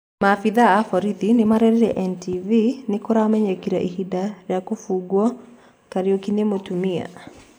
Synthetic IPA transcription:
mafiðaːfɔɾiðinemaɾɛɾiɾɛʔɛntivinekoɾamɛɲɛkiɾa̰ʔihidaɾjakofuːɡwɔ | kaɾiokinemotumia̰

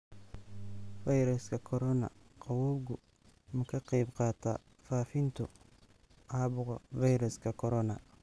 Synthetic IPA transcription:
fɐjɾɐskʰɐkʰɔɾɔnɐ̰qɑwɔːbɡʊ | mɐkʰɐqɛjbqɑːt̪ʰa̰ | faːfɪnt̪ʰʊ | ʔaːbʊɣɐfɐjɾɔskʰɐkʰɔɾɔnɐ

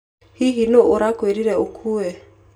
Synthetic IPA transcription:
hiɦinoʔoɾakweɾiɾɛokʰuɛ

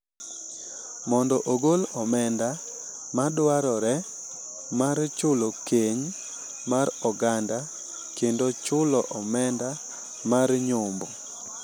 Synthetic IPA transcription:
mɔndɔʔoɡolɔmɛnda | madwaɾɔɾɛ | maɾt͡ʃʊlokʰeɲ | maɾɔɡanda | kendot͡ʃʊlɔʔɔmɛnda | marɲʊmbɔ

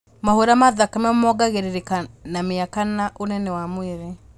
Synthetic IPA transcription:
mahoɾamaðakamɛmɔɡaɣeɾeɾekanameakanaʔonɛnɛwamweɾe

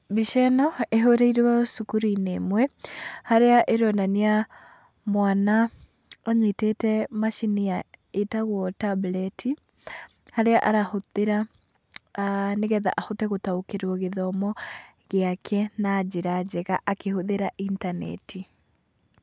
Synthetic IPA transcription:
biʃɛnɔeɦoɾeiɾwasukuɾinemwɛhaɾeaʔeɾɔnania | mwana | ɔɲitetɛmaʃinijaetaɣwɔtablɛtʰi | haɾeaʔaɾahoðeɾa | neɣɛða̰ʔahotɛɣotaokeɾwɔɣeðɔmɔ | ɣeakʰɛnad͡ʑeɾad͡ʑɛɣaʔakehoðeɾaʔintanɛ̰tʰi

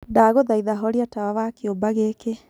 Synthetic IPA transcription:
daːɣoðaiðaɦɔɾiatawaβakjombaɣeke

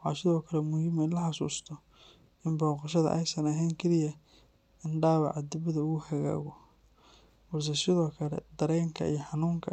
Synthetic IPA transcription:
wħɑ̰ːsɪðɔːkʰɐlɛmʊjɪmɛnlɐħɑsṵːst̪ʰɔ | ɪmbɔːqɑʃɐðɐ̰ʔɛ̰jsɐnɐɦɛjŋkʰɛlɪjɐ | ɪnɖaːwɑʕɑd̪ɪβɐðɐʊɣʊhɐɣa̰ːɣɔ | wɑrs̬ɛsɪðɔːkʰɐlɛ̰d̪ɐɾɛːŋkʰɐ̰ijɔħɑnuːŋkʰɐ

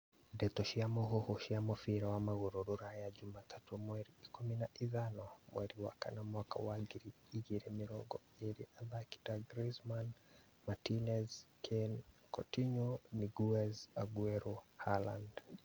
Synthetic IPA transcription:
dɛtɔʃiamɔɦɔhɔʃiamɔfiɾawamaɣuɾuɾuɾajad͡ʒumatʰatumwɛɾikuminaʔiðanɔmwɛɾiwa̰ka̰namwaka̰waɡiɾi | iɣiɾɛmiɾɔɡɔ | iɾiʔalaki̥daɡɾizman | matinɛzkʰɛnkɔtiɲɔniɡuɛzaɡwɛɾɔhala̰nd

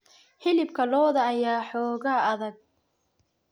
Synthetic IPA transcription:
ħɪlɪb̚kʰɐlɔːðɐːjaːħɔːɣaːɐðɐɡ̚

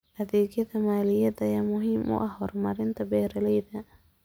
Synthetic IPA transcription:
hɐðɛːɣjɐðɐmaːlɪjɐðɐjaːmʊɦiːmʔʊ̰ʔɐhɔːrmɐɾɪnt̪ʰɐbɛːɾɐlɛjðɐ

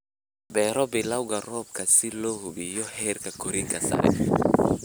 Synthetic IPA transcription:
bɛɾɔbilawɡaɾɔb̚kasilohubijɔhɛɾkakoɾikasa̰ɾɛ̰

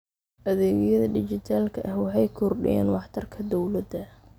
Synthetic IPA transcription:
ʔɐðɛːɣjɐðɐdɪt͡ʃɪt̪ʰaːlkʰɐʔɐhwɑħɑjkʰɔrɖɪ̰jɛ̰ːnwɑħt̪ʰɐrkʰɐd̪ɔwlɐd̪ɐ

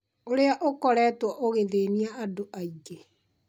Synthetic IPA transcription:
oɾeaʔokɔɾɛtwɔʔoɣeðeːniaadoʔaiɡe

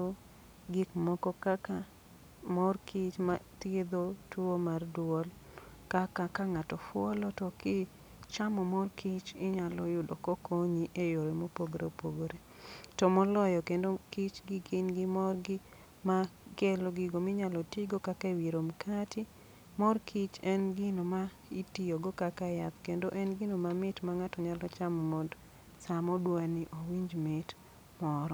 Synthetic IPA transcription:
o | ɡɪkmɔkɔkaka | mɔrkʰit͡ʃmat̪ied̪otuomardwɔl | kakakaŋatɔfwɔlɔtɔkɪ | t͡ʃamɔmɔrkʰit͡ʃɪɲalɔjʊdɔkokʰoɲiʔejoɾemopoɡoɾḛpoɡoɾe | tɔmɔlɔjɔkendokit͡ʃɡɪɡɪnɡɪmɔrɡɪ | makeloɡɪɡomɪɲalɔtit͡ʃɡokakawiɾomkʰatɪ | mɔrkʰit͡ʃɛnɡɪnoma | itijoɡɔkakajat̪kendoʔɛnɡɪnomamɪtmaŋatɔɲalɔt͡ʃamɔmɔd | samɔdwaniʔowiɲd͡ʒmɪt | mɔɾɔ

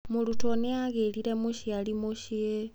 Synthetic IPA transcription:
mulutoneaɣeliɾemuʃialimuʃie

